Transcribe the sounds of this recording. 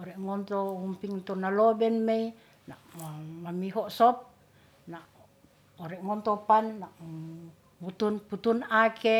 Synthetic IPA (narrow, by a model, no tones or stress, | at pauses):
ɔɾɛʔŋɔnt̪ɔhumpiŋt̪ɔnalɔbɛnmei | naʔmamiɦɔsɔp̚ | naʔ | ɔɾɛʔŋɔnt̪ɔpanːaʔ | mut̪unput̪unakɛ